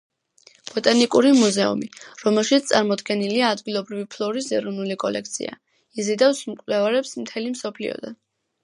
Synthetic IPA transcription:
b̥ɔt̪ʼanikʼuɾimuzɛṵmiɾɔmɛlˠʃit̪st̪ʼaɾmɔd̪ɡɛniliaːd̪ɡilˠɔbɾivipʰlˠɔɾisɛɾɔvnulikʼɔlɛk̚ʰt̪sʰḭa̰ | izid̪ɛfsmkʼlɛvaɾɛpsmt̪ʰɛlimsɔpʰlḭɔ̰d̪a̰n

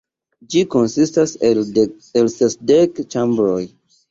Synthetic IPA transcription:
d͡ʒiko̞nsistase | elsesdekt͡ʃambɾoj

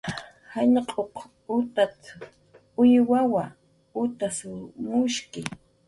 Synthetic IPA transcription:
haɲqʼoq | ʊt̪at̪ | ʊjwawa | ʊt̪asʊmʊʃkɪ

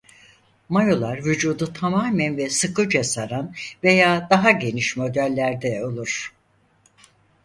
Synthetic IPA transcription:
majo̞lˠaɾvyd͡ʒuːd̪ut̪ʰamaːmænvɛsɯkɯd͡ʒasaɾanve̞jaːd̪aɦaɟe̞niʃmo̞d̪ælʲːæɾd̪ɛo̞lˠuɾ̥

